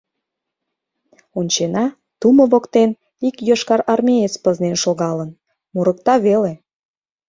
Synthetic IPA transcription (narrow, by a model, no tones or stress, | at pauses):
unʲt͡ɕenɑ | t̪uməβokt̪en | ikjoʃkɑɾɑrmʲejet͡spəznenʃoɣɑlən | muɾək̚t̪ɑβele